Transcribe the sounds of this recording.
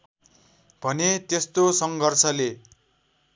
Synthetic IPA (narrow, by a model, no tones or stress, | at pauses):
b̥ʱʌnet̪est̪osʌŋɡʱʌrsʌle